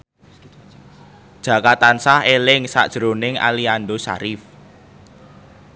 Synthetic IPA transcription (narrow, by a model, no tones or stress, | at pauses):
d̥ʒ̥a̤kat̪ansahelɪŋsa̰d̥ʒ̥ɾonɪŋa̰liandosa̰ɾɪf